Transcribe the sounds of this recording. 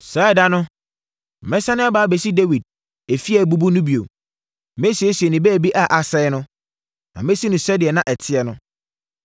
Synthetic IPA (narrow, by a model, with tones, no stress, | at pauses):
saː˨˦ɪ˦˨da˦nʊ̃˦˨ | mɛ̃˦sa˦nɪ̃˦a˦baː˨˦be˨si˦de˦wi˨d̚ | e˨fi˦ɛ˨bu˦bu˦nʊ̃˦bi˨o˨ | mẽ˦si˨e˦si˨ɛ˨nɪ̃˨bɛː˦˨bi˦ʔa˦˨ʔa˨sɛ˦ɪ˦nʊ̃˦ | nã̰˨mẽ˦si˦nʊ̃˨sɛ˦dɪ˨ɛ˨nã˦ʔɛ˨tʰɪ˦ɛ˨nʊ̃˦